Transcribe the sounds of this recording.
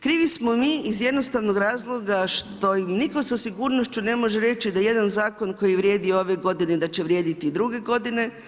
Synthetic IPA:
kɾiːʋismo̞miːizje̞d̪no̞st̪aʋnoɡɾaːzlˠo̞ɡaʃt̪o̞imniko̞sasiɡuːɾnoʃt͡ɕune̞mo̞ʒeɾe̞t͡ɕid̪aje̞d̪anzaːko̞nko̞jiʋɾje̞ːd̪ioo̞ʋe̞ɡo̞d̪ined̪at͡ɕe̞ʋɾje̞ːd̪it̪id̪ɾuɡe̞ɡo̞d̪ine̞

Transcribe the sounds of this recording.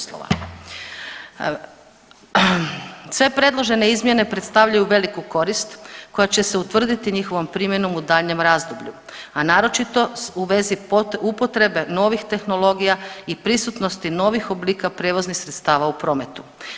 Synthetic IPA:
slo̰ʋa̰ | sʋe̞pɾe̞d̪lˠo̞ʒe̞ne̞izmje̞ne̞pɾe̞t̪st̪aʋʎajuʋe̞likuko̞ɾist̪ko̞jat͡ɕe̞seut̪ʋr̩d̪it̪iɲixo̞ʋompɾiːmje̞no̞mud̪aʎɲe̞mɾaːzd̪obʎuanaːɾo̞t͡ʃit̪o̞uʋe̞ziupo̞t̪ɾe̞be̞no̞ʋixt̪e̞xno̞lo̞ɡijaipɾisut̪nost̪ino̞ʋixo̞bliːkapɾe̞ːʋo̞znixsɾet̪st̪aːʋaupɾo̞ːme̞t̪u̥

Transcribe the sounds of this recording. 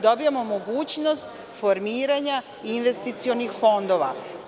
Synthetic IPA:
d̪o̞bijamo̞moɡuːt͡ɕno̞st̪ | fo̞ɾmiːɾaɲa | inʋe̞st̪it̪sio̞nixfo̞nd̪o̞ʋa̰

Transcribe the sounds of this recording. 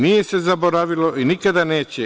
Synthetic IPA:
nijese̞zaboɾaʋilo̞ʔinikad̪ane̞ːt͡ɕe

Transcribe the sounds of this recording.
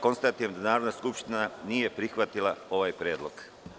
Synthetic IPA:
ko̞nst̪at̪ojemd̪anaːɾo̞d̪naskupʃt̪inanije̞pɾixʋat̪ilˠao̞ʋajpɾjeːd̪lˠo̞ɡ

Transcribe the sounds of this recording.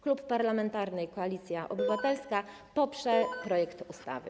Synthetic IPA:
klupːaɾlamɛnt̪aɾnɘjkɔalʲit̪sʲjaʔɔbɘvat̪ɛlska | pɔpʂɛpɾɔjɛkt̪ust̪a̰vɘ̰

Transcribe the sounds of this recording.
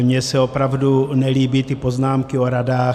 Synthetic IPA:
mɲɛsɛopɾavdunɛliːbit̪ipoznaːmkɪoɾadaː

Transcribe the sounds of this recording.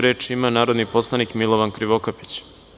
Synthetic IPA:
ɾe̞ːt͡ʃimanaːɾo̞d̪nipo̞slˠanikmilˠoʋankɾiʋokapi̥t͡ɕ

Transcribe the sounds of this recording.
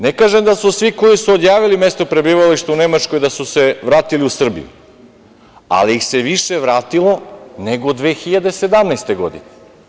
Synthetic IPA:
nekaːʒemd̪asusʋiko̞jisuod̪jaːʋilime̞st̪opɾe̞biːʋaliʃt̪eune̞mat͡ʃko̞jd̪asuse̞ʋɾaːt̪iliusr̩bḭjṵ | a̰liixse̞ʋiʃe̞ʋɾaːt̪ilˠo̞ne̞ɡod̪ʋexiʎad̪e̞sed̪amnast̪e̞ɡo̞̰d̪ḭne

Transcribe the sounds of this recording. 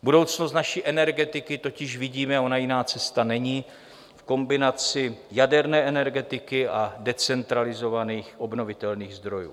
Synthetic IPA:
budo̞wt͡snos̬t̪naʃiːʔɛnɛɾɡɛt̪ɪkɪt̪o̞cɪʃvɪɟiːmɛaonajɪnaːt͡sɛst̪anɛɲiː | fko̞mbɪnat͡sɪjadɛɾnɛːʔɛnɛɾɡɛt̪ɪkɪʔadɛt͡sɛnt̪ɾalɪzo̞vaniːxʔo̞bno̞vɪt̪ɛlniːɣzd̪ɾo̞jṵː

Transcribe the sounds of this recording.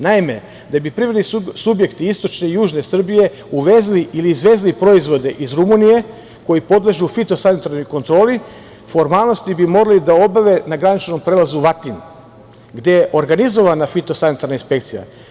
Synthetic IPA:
naime̞ | d̪abipɾiʋad̪nisubje̞kt̪iist̪o̞t͡ʃne̞ijuːʒne̞sr̩bije̞ | uʋezliʔiliːzʋe̞ːzilipɾo̞izʋo̞d̪e̞ʔizɾumunije̞ | ko̞ipo̞d̪lˠeʒuːfit̪o̞sanit̪aɾno̞jko̞nt̪ɾo̞ːli | fo̞ɾmaːlˠno̞st̪ibimo̞ɾalid̪ao̞baʋe̞naɡɾanit͡ʃno̞mpɾeːlˠazuʋat̪in | ɡd̪e̞jeʔo̞ɾɡanizo̞ʋanafit̪o̞sanit̪aɾnainspe̞kt̪sija̰

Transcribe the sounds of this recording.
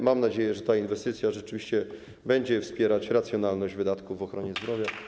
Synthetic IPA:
mamnad͡ʑejɛʐɛt̪ainvɛst̪ɘt̪sʲjaʐɛt͡ʂɘvʲiɕt͡ɕɛ | bɛɲd͡ʑɛfspʲjɛɾat͡ɕɾat̪sjɔnalnɔʑd͡ʑvɘd̪at̪kuvːɔxɾɔɲɛzd̪ɾɔvʲja

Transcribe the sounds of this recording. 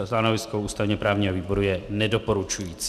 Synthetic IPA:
st̪anovɪskowʔuːst̪avɲɛpɾaːvɲiːɦoviːbo̞ɾujɛnɛdopoɾut͡ʃujiːt͡s

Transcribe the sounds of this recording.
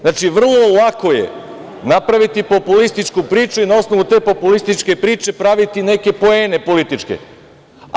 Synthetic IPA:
znaːt͡ʃiʋr̩lˠo̞lˠako̞je̞̰ | napɾaʋit̪ipo̞pulist̪it͡ʃkupɾiːt͡ʃuinao̞sno̞ʋut̪e̞ːpo̞pulist̪it͡ʃke̞pɾiːt͡ʃe̞pɾaʋit̪ine̞ke̞po̞e̞ːne̞po̞lit̪it͡ʃkḛ

